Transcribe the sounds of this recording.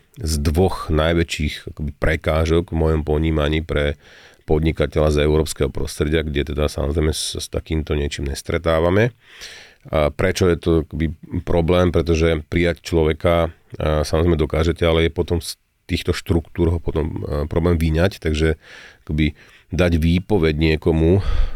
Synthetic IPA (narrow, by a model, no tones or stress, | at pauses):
zd̪ʋɔɣnajʋɛt͡ʃiːxakɔbipɾɛkaːʒɔɡvmɔjɔmpɔɲiːmaɲiːpɾɛpɔd̪ɲikacɛʎazɛʊɾɔːpskɛɦɔpɾɔ̰st̪ɾɛɟɪaɡɟɛt̪ɛd̪asa̰mɔzɾɛɪmɛsast̪akiːmt̪ɔɲɪɛt͡ʃiːmɲɛst̪ɾɛt̪aːʋamɛ | pɾɛt͡ʃɔjɛt̪ɔakɔbipɾɔblɛːmpɾɛt̪̬ɔʒɛpɾijact͡ʃlɔʋɛka | samɔzɾɛimɛd̪ɔkaːʒɛcɛalɛjɛpɔt̪ɔms | t̪iːxt̪ɔʃt̪ɾukt̪uːɾɦɔpɔt̪ɔmpɾɔblɛːmʋiɲact̪aɡʒɛakɔbi | d̪aɟʋiːpɔʋɛɟɲɪɛkɔmu